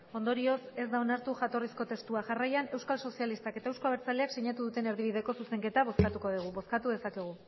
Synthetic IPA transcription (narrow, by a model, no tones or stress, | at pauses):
o̞nd̪o̞ɾio̞se̞zd̪ao̞naɾt̪uxat̪o̞risko̞t̪e̞st̪uaʝarajane̞wskalso̞sialist̪ake̞t̪aewskoβeɾt͡saleakseɲat̪uðut̪e̞ne̞ɾðiβ̞iðe̞ko̞suse̞ŋke̞t̪aβ̞o̞skat̪uko̞ð̞uɣ̞uβo̞skat̪uðe̞sakeɣ̞u